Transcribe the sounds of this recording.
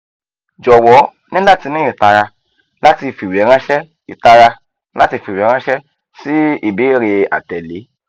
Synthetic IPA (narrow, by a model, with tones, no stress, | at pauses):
d͡ʒɔ˨wɔ˨˦ | nĩ˦da˦˨ti˧nĩ˦ĩ˨ta˧ɾa˧ | la˦ti˧fi˨wi˨ɛ˨˦ɾ̃ã˦ʃɛ˦ | i˨ta˧ɾa˧˦ | la˦ti˧fi˨wi˨ɛ˨˦ɾã˦ʃɛ˦ | si˦i˦˨be˨˦ɾe˧a̰˨tɛ˨le˨˦